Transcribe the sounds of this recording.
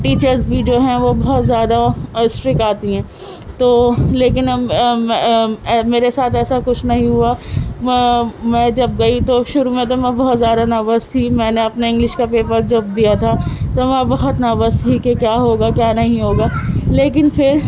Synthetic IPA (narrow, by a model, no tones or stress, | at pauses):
ʈiːt͡ʃəɾzbʱid͡ʒoːɦɛ̃ʋobɐɦɔt̪zjaːd̪aɪsʈɾɪkaːt̪iɦɛ̃ː | t̪oːleːk̬ɪn | meːɾesaːt̪ʰɛːsakʊt͡ʃʰnɐɦĩɦua | mɛ̃d͡ʒɐb̚ɡɐit̪oʃʊɾumẽt̪̬omɛ̃bɔɦɔt̪zjaːd̪anaːbəst̪ʰimɛ̃ːneɐpneɪ̃ŋɡlɪʃkapeːpəɾd͡ʒɐbd̪ijat̪ʰat̪omɛ̃bɐɦɔt̪naːbəst̪ʰikekjaːɦoːɡakjaːnɐɦĩɦoːɡaːleːkɪnfʰɪɾ